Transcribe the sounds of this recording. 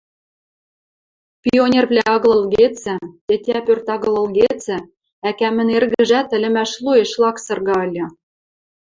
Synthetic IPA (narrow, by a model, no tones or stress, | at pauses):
pʲionʲervlʲæɑɣlˠɤ̆lɣet͡sɘ̆t̪et̪ʲæpørt̪ɑɣɤ̆lɤ̆lɣet͡sɘ̆ | ækæmɘ̆nerɣɘ̆ʒæt̪ɘ̆lʲɘ̆mæʃlueʃlɑksɤ̆rɣɑɤlʲɤ̆